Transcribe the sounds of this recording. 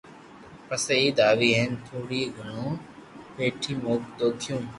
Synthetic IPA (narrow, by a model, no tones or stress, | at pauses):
pəsəiːd̪aːʋiːɦent̪ʰuːɽiːɡʱʊnõːpeːʈʰiːmoːkd̪oːkʰɪjũː